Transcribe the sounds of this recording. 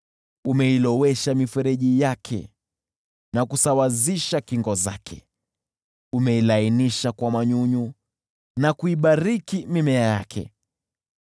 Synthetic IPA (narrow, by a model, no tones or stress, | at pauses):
umɛilɔwɛʃamifɛɾɛʄijakʰɛ̰ | nakusawaziʃakiŋɡɔza̰kʰɛ̰ | umɛilainiʃakwamaɲuɲu | nakuiɓaɾikimimɛajakʰɛ̰